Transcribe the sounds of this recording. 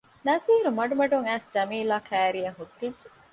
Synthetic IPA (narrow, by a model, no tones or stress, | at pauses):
nɐziːɾumɐɖumɐɖuŋæːsd͡ʒɐmiːlaːkæːɾijɐɦuʈːidd͡ʒe